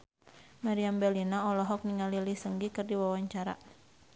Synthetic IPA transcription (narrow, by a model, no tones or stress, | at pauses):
maɾiambɛlinaɔlɔɦɔk̚niŋalilisəŋɡikɨrdiwawaɲt͡ʃaɾa̰